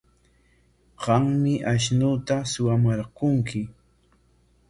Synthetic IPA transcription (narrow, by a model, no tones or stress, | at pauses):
ɢɑŋmɪʔaʃnut̪asʊwamaɾqʊŋkɪ